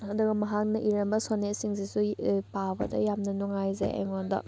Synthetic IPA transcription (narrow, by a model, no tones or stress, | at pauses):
hɐd̪uɡɐmɐɦak̚nɐʔiɾɐmbɐsonet̚siŋsisupabɐ̰dɐ̰jamnɐnuŋajzḛa̰jŋondɐ̰